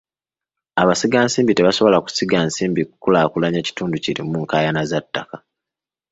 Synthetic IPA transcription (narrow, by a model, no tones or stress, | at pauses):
aβasiɡaːnsiːmbite̞βaso̞βo̞laku̥siɡansiːmbikukulaːkulaɲeci̥tuːnduciɾimuŋkaːjanazatːaka